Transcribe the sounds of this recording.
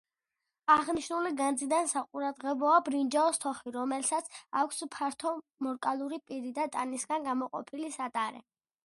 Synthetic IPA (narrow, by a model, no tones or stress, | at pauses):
aʁniʃnuliɡand̪zid̪ansaqʼuɾad̪ʁɛbɔabɾind͡ʒɛɔst̪ʰɔχiɾɔmɛlsat̪sʰakʷʰspʰaɾt̪ʰɔ | mɔɾkʼalˠuɾipʼiɾid̪at̪ʼanisɡanɡamɔqʼɔ̰pʰilisat̪ʼaɾɛ̰